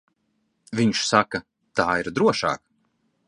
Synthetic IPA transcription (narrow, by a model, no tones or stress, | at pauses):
viɲʃsakɐ | t̪aːiɾd̪ɾuɔʃɑ̰ːk